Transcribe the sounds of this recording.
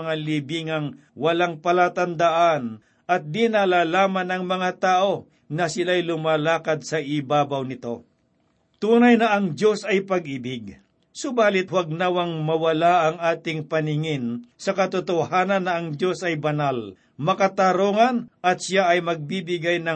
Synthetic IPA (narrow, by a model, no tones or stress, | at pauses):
ŋalibiŋɐŋ | wɐlaŋpɐlaːt̪ɐnd̪aʔan | ʔɐt̪̚d̪inalaːlaːmanɐŋmɐŋat̪aːʔo̞ | nɐsɪlajlʊmaːlaːkɐd̪̚sɐʔɪbaːbawnɪt̪o̞ | t̪uːnɐjnɐʔɐŋdjo̞sɐjpɐɡʔɪbɪɡ̚ | sʊbaːlɪt̪̚wɐɡ̚nawɐŋmɐwɐlaʔɐŋaːt̪ɪŋpɐnɪŋɪnsɐkɐt̪ʊt̪ʊhaːnɐnːɐʔːŋd͡ʒo̞sɐjbɐnal | mɐkat̪aɾoːŋɐnʔɐt̪̚ʃjaɐjmɐɡ̚bibɪɡajnɐ